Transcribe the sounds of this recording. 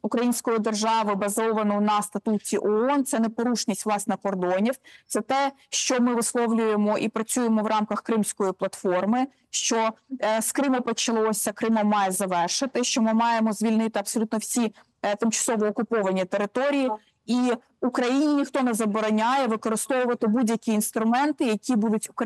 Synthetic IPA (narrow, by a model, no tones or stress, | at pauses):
ukɾɐjinʲsʲkɔjid̪erʒɑʋɪbɐzɔʋɐnɔnɐst̪ɐt̪utʲiʔɔɔnt̪sɛnɛpɔɾuʃnʲisʲtʲʋlˠɑsnɛkɔrd̪ɔnʲiwt̪sɛt̪ɛʃt͡ʃɔmɪʋɪslˠɔwlʲʊjemɔʔipɾɐt͡sʲujemɔʋɾʔɑmkɐxkɾɪmsʲkɔjiplˠɐt̪fɔrmɪ | ʃt͡ʃɔskɾɪmɔpɔt͡ʃɐlˠɔsʲɐkɾɪmɔmːɑjɛzɐʋɛrʃɪt̪ɪʃt͡ʃɔmɪmɑjemɔzʲʋʲilʲnɪt̪ɪɐbsɔlʲut̪nɔwsʲi | t̪ɪmt͡ʃɐ̥sɔʋɔːkʊpɔʋɐnʲit̪eɾɪt̪ɔɾʲiji | i | ukɾɐjinʲinʲixt̪ɔnɛzɐbɔɾɔnʲajɛʋɪkɔɾɪst̪ɔʋʊʋɐt̪ɪbudʲjɐkʲiːnst̪ɾʊmɛnt̪ɪjɐkʲibud̪ʊtʲʊk